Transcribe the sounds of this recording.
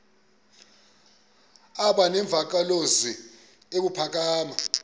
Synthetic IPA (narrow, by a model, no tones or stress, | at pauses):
aɓanɛɱb̪vʱak̬alozi | ek̬upʰak̬ʼaːma